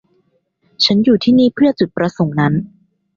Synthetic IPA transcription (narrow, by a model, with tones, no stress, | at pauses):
t͡ɕʰa˦˥njuː˨˩t̪ʰiː˥˩niː˥˩pʰɯ˥˩ɐt͡ɕu˨˩t̪̚pɾa˧so˨˩˦ŋna˦˥n